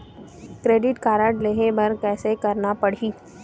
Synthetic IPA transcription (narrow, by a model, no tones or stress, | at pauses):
kɾeːɖɪʈkaːɾəʈleːɦebɐɾkɛːsekɐɾnapɐɽ̤iː